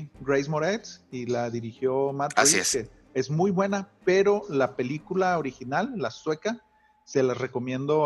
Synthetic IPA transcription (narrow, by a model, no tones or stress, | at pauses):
ɡɾejzmo̞ɾet̪silaðiɾixjo̞mat̪aike | e̞zmujβwe̞nape̞ɾo̞lape̞likulaoɾixinalːaswe̞ka | se̞lareko̞mjẽ̞nd̪o̞